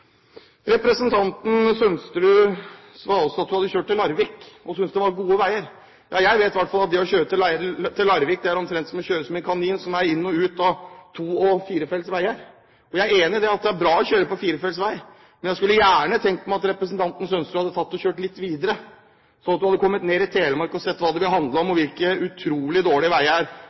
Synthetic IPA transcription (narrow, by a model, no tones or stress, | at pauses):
ɾɛpɾəsənt̪ʰɑnt̪n̩sʏnst̪əd̪ʉ | sʋɑɾɔsːɔɑt̪̚d̪ʉhɑd̪ːəçøːʈ̚t̪ɪlːɑɾʋiːkɔsʏnsd̪ɛʋɑɾɡuːəʋæɪəɾ | jɑːjæɪʋeːt̪ʋæʈfɑlːɑt̪̚d̪ɛɔɕøːɾət̪ɪlæɪət̪ʰːɪlːɑɾʋɪːk̚d̪ɛæɾɔmt̪ʰɾɛnt̪sɔmɔɕøːɾəsɔmɛnkʰɑniːnsɔmæɾɪnːɔʉːt̪ɑt̪ʰuːɔfiːɾəfɛlsʋæɪəɾ | ɔjæɪeːnəɖɛɑt̪̚d̪ɛæɾbɾɑːɔɕøːɾəpɔfiːɾəfɛlsʋæɪ | mɛnjæɪskʉlːəjæːɳət̪ʰɛŋkt̪ɔmɛɑt̪ɾɛpɾəsnt̪ʰɑnt̪ən̩s̬ʏnsd̪ʉhɑd̪ːət̪ʰɑt̪ːɔɕøːʈlɪt̪ːʋiːd̪əɾə | sɔnɑt̪d̪hɑd̪ːəkʰɔmːət̪neːɾɪt̪ʰeːləmɑɾkɔsɛt̪ːʋɑːd̪ɛʋɪlhɑnd̪lɑɔmɔʋɪlkəʉt̪ʰɾuːlɪd̪oːɭɪʋæɪəæɾ